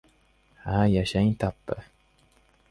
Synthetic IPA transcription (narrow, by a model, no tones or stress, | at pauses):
ajaɕajt̪apːə